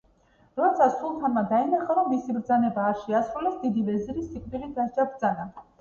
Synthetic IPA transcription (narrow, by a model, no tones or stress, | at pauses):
ɾɔɛt̪sʰasʰulˠt̪ʰanmad̪ainaχaɾɔmːisibɾd̪zanɛbaːɾʃɛasɾulɛsd̪id̪ivɛziɾisːikʼviʁid̪asd͡ʒabɾd̪zana